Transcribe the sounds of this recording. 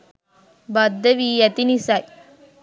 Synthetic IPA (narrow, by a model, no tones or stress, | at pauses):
bɐd̪ːɐʋijɐt̪inisaj